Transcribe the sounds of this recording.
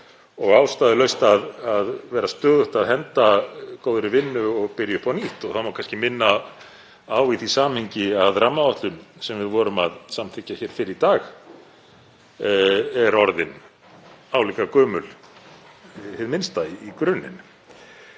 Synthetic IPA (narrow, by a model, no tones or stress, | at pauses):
ɔɣaːwst̪aːðɪlœɥst̪aðaðvɛːɾast̪œːðʏht̪aðɦɛnt̪akowðɾɪvɪnːʏɔɣpɪɾjʏhpɔniht̪ɔɣθawmawkʰanscɪmɪnːa | aːwiθisaːmhiɲcɪaðɾamːaɔht̪lʏnsɛmvɪðvɔːɾʏma̰ðsamt̪ʰɪcːaçɛːɾ̥fɪɾɪɾit̪aːx | ɛɾɔɾðɪn | aːwliːkakœːmʏl | hɪðmɪnst̪aiːkɾʏnːɪ̰n